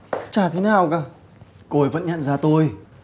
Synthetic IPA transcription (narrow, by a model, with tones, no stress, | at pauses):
t͡ɕaː˧˩t̪ʰe˨˦naː˨˩wkaː˧˩ | ko˧˩jvə̰˧˥nɲə̰˧˨nzaː˧t̪o˧j